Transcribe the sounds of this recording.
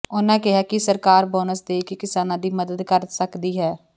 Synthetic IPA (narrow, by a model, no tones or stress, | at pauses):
oːnãːkɪɦaːkɪsəɾkaːɾbɔːnəsd̪eːkːkɪsaːnãːd̪iːməd̪əd̪kəɾsəkd̪iːɦɛː